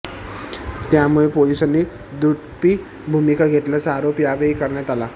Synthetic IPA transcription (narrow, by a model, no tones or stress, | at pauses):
t̪jamuɭepolisənːi | d̪ɾut̪piː | bʱumikaɡʱet̪lat͡səaɾopjaʋeikəɾɳjat̪ala